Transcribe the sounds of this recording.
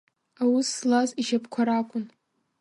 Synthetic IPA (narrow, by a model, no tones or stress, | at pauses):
awʊslaziʃapʰkʷʰaɾakʷʼʊn